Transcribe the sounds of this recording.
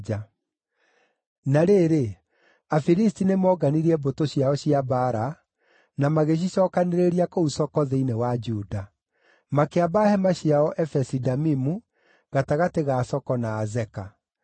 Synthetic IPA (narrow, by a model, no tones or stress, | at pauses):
a | naɾeɾe | afiɾistinemɔɡaniɾiɛbotoɕiaɔɕiabaːɾa | namaɣeɕ̬iɕɔːkaneɾeɾiakousɔkɔðeinewad͡ʒuda | makeabahɛmaɕiaɔʔɛfɛsidamimu | ɣataɣateɣasɔkɔnaːzɛka